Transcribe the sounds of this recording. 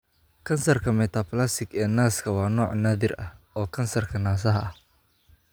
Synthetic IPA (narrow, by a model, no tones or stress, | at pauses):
kʰɐnsɐrkʰɐmɛt̪ʰɐpʰlɐsɪɡɛːnaːskʰɐwɑːnɔːʕnaːðɪrɐ̰ | ɔːkʰɐnsɐrkʰɐnaːsɐɦɐɐh